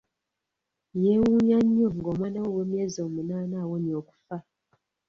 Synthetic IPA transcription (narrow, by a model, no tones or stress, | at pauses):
jewuːɲaɲːoŋɡoːmwaːnawoweːmje̞ːziomunaːnaːwoɲioːku̥fa